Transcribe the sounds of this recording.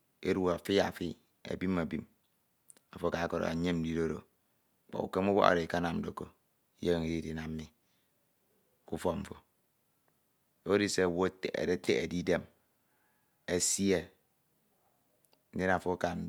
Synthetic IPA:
ḛ˦ɾu˦˨a˨fi˦ja˨fi˦ | a̰˨bi˦mːa˨bi˦m | a˨fo˦ka˨˦ko˨ɾo̰˨a̰˨ɲe˦m̩˦di˦do˦ɾo̰˨ | k͡pɔ̰˨ṵ˨ke˦mu˦wo̰˦a̰˨ɾe˨ka˦na˨mn̩˦do˨ko˦ | je˦˨i˨ɾi˦di˨na˨mː˦i˦ | ku˦fɔ˦˨m̩˨fo˨ | o˦i˦se˦˨wo˦tḛ˨e˦tḛ˦ḛ˨di˦de˦m | e˦si˦e˦ | n̩˦de˦n˨a˨fo˦ka˨n̩˦

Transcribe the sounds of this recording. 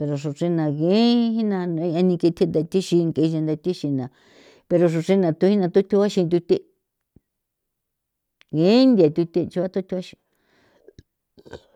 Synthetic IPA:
pe˧ɾo˧ʂo˨ʂĩ˧nã˨ɣẽ˨˦hĩ˦nã˧n˧˦ã˧nĩ˧ki˧t̪ʰi˦nd̪a˧t̪i˦ʃi˧ŋ˧ke˧ʒa˧nd̪a˧t̪ʲi˦ʃi˧nã˨ | pe˧ɾo˧ʂ̬u˧ʂĩ˧nã˨˧t̪u˧˦ĩ˦nã˧t̪u˦t̪ʰu˧wa˦ʃĩ˧t̪ʲu˧t̪i˦ | ɣẽ˨˦nd̪i˧a˨t̪ʲu˧t̪i˦˧t͡ʃu˧˦a˦t̪u˦t̪ʰʲu˧˦a˦ʃĩ̥˧

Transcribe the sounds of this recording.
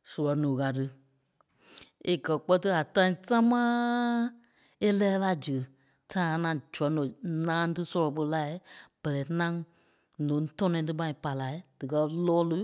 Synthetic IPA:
sɔ˨lɔ˨˦nũː˨ka˨t̬ɨ˧ | e˨kɜ˨k͡pɜ˦t̬ɨ˦a˨tã˧˦ĩ˦ta˦mãː˦ | e˦lɛː˦la˧˨d͡ʒɨ˨ | tʰã˦˨˦nã˨d͡ʒɔ˨˦nõ˨nãː˦tɨ˦sɔ˧lɔ˨k͡pə˧˦la˦b̥ɛ˨lɛ˨˦nã˦ŋ | nõ˨˦tɔ̃˦nɔ̃˧ĩ˦t̬ɨ˦mã˧ĩ˨pa˨la˨˦i˦d̥ɨ˨kɜ˧lɔː˦lɨ˦

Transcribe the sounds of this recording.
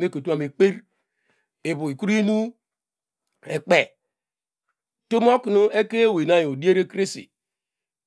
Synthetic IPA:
me˦˨ko˨tu˦a˨me˨k͡pe˦ɾ | e˨bu˨i˨ku˦ɾi˦nu˦ | e˨k͡pe˨ | to˦m˦o˦ku˨nu˦e˦ke˦˨we˨na˦jo˨di˦e˦ɾe˦kɾe˦sḭ˨

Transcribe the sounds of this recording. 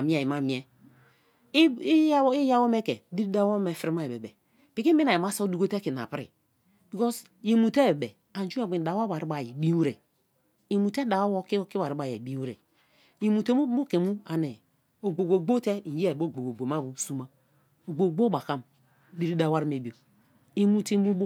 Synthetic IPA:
a˨mi˦a˨ji˨ma˨mi˨e˦ | i˦ja˦wo˦me˦ke˨˦di˦ɾi˦da˦wo˦me˨fi˦ɾi˦ma˦e˨be˨be˨ | b̥i˨ki˦bi˦na˨ji˨m˦a˦so˦du˦ɡo˦te˦ki˨n˨a̰˨pɾḭ˨ | bi˨kɔ˦s | ji˨mu˨te˦be˨be˨ | a˨n˦d͡ʒu˦a˨i˨n˨da˨wa˦ba˨ɾi˦ba˨ji˨bi˦wu˦ɾe˨ | i˨mu˨te˦da˨wo˦wo˦ki˦ki˦wa˨ɾi˦ba˨jḛ˨bi˦u˦ɾḛ˨ | ji˨mu˨te˦mu˦o˦ke˨mu˦a˨ne˨ | o˨ɡ͡bo˨ɡo˨ɡ͡bo˦te˦i˨je˦˨bo˦˨ɡ͡bo˨ɡo˨ɡ͡bo˨ma˦bu˨su˦ma˦ | o˨ɡ͡bo˨ɡ͡bo˦ba˨ka˦m˦ | di˦ɾi˦da˨wa˦ɾi˦me˨bi˨o˨ | i˨mu˨ti˦mu˦b

